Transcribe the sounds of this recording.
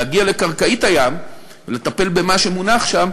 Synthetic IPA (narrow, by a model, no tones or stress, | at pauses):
aɡiale̞kaʁkait̪ajam | vele̞t̪ape̞lbe̞maʃemunaχʃam